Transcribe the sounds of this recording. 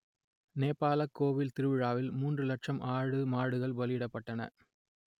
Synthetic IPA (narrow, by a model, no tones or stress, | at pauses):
neːpːaːlɐkːoːʋɪlt̪ɪɾɯʋɪɻaːʋɪlmuːndrɯlɐʈʂɐmʔaːɻɯmaːɽɯɣɐɭʋɐlɪjɪɽɐpːɐʈːɐnɐ̰